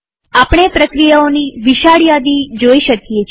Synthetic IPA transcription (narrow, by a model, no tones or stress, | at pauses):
apɳ̃epɾəkɾijaoniʋiʃaɽjad̪id͡ʒoiʃəkijet͡ʃʰ